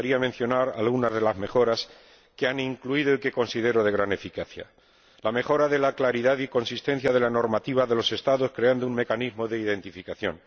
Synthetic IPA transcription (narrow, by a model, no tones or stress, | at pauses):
aɾiamenθjo̞naɾa̰lɣunazðe̞lazme̞xo̞ɾas | keaniŋkluið̞oike̞ko̞nsiðe̞ɾo̞ðe̞ɣ̞ɾane̞fikaθja̰ | lame̞xo̞ɾaðe̞laklaɾiðaðiko̞nsist̪e̞n̟θjað̞e̞lano̞ɾmat̪iβaðe̞lo̞se̞st̪aðo̞skɾe̞and̪ouŋme̞kanizmo̞ðe̞iðe̞nt̪ifikaθjo̞̰n